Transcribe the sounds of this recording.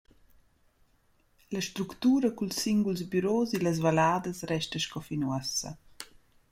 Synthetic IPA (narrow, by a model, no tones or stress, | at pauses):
ləʃt̪ɾukt̪uːɾəkulsːiŋɡulzbyɾoːziləz̬valaːd̪əsrɛʃtəʃkɔfinwəsə̰